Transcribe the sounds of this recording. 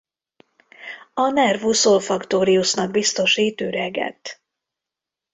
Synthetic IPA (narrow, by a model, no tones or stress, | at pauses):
ɒnɛrvusolfɒkt̪oːɾiusnɒɡ̚bist̪o̞ʃiːt̪yːɾɛɡɛ̰t̪ː